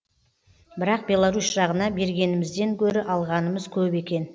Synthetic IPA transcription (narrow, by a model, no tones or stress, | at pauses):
bɪɾɑq̚bʲe̞lˠaɾusʒɑʁənɑbe̞ɾɡʲe̞nɪmɪzd̪e̞ŋkʲʰɵɾɪʔɑlˠʁɑnəməzkʲʰɵbe̞kʲe̞n